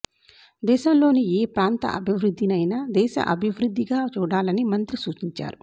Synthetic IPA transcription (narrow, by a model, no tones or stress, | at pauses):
d̪ɛːʃɐmlo̞ːnieːpɾaːnt̪ɐ̰ʔɐ̰bʱiʋɾud̪ʱːinɐjnad̪ɛːʃɐ̰ʔɐbʱiʋɾud̪ʱːiɡaːt͡ʃuːɽaːlɐnimɐnt̪ɾisuːt͡ʃiɲt͡ʃa̰ːɾu